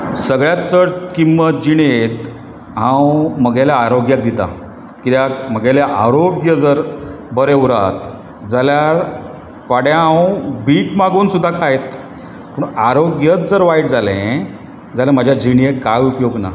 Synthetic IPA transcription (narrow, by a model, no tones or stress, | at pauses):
səɡɭjat̪t͡səɽkimːət̪̚d͡ʑiɽ̃et̪ | ɦãwməɡaljaaɾoɡjak̚d̪it̪a̰ | kit̪jakməɡaljaʔaɾop̚ɡjəd͡zəɾ | bʱəɾeuɾa̰t̪ | d͡zaljaɾ | faɽjaɦãwbiːkmaɡuːnsud̪ʱːakʰajt̪ | puːɳaɾoɡjət̪̚d͡zəɾʋaiʈd͡zalɛ̃ | d͡zalɛ̃mad͡ʑʱjad͡ʑiɳ̃iekajupjoɡna̰